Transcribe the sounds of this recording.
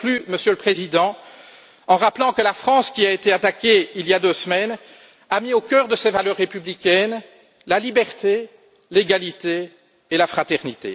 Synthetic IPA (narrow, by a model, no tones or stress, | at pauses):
lyməsjøləpχezid̪ɑ̃ | ɑ̃ʁaplɑ̃kəlafχɑ̃skʲiaet̪eat̪akʲeiljad̪øsmɛn | amiokʲœːʁd̪əsɛvalœʁːepyblikʲɛn | lalibɛʁt̪e | leɡalit̪eː | lafχat̪ɛʁnit̪ḛ